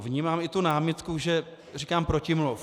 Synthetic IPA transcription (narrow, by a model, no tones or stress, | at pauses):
vɲiːmaːmɪt̪unaːmɪt̪kuʒɛ | rikaːmpɾocɪmlo